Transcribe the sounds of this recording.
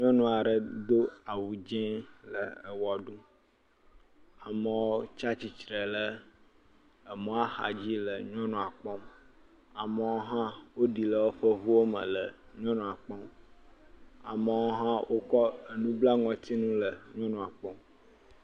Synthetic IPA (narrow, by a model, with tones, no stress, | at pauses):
ɲɔ̃˦nũ˨a˨ɖə˨d̪o˦a˨wu˨d͡ʒɛ̃˦lə̰˨ə˨wɔ˨ɖu˦ | a˨mə˨wo˦t͡ʃa˦t͡ɕi˨t͡ʃɾɛ˨lə˦ | ə˨mɔ̃˦a˦xa̰˨d͡ʑi˦lə˨ɲ˦ɔ̃˦nɔ̃˨a˨k͡pɔ̃˦m | a˨mə˨wo˦ɦã˦wo˦ɖi˨lə˨wo˦ɸə˦vu˦wo˦mə̰̃˨lə˨ɲɔ̃˦nɔ̃˨a˨k͡pɔ˦m | a̰˨mə˨wo˦ɦã˦wʔo˦kɔ˦ə˨nũ˦bla˦ŋɔ̃˨t̪i˦nũ˦lə˨ɲɔ̃˦nũ˨a˨k͡pɔ̃˦m